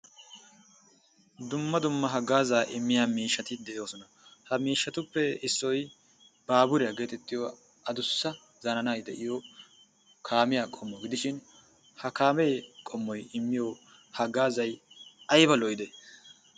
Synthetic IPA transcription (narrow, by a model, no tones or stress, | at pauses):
d̪ʊmːɐd̪ʊmːɐɦɐɡaːzaːʔɪmːɪjaːmiːʃːɐt̪ɪd̪ɛʔɪjo̞ːsɔnɐ | hɐmiːʃːɐt̪ʊpːɛɪsːɔj | baːbʊɾɪjɐɡeːt̪ɛt̪ːɪjo | ɐd̪ʊsːɐ | zɐnɐnajd̪ɛʔɪjo | kʰaːmɪjaːkʼɔmːɔɡɪd̪ɪʃɪn | hɐkaːmɛjkʼɔmːɔjɪmːɪjo | hɐɡaːzɐjʔɐjbɐlɔjd̪ɛ